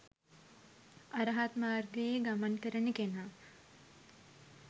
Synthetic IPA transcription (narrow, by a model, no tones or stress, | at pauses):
aɾɐɦat̪maːrɡəjeɡamankəɾənəkenaː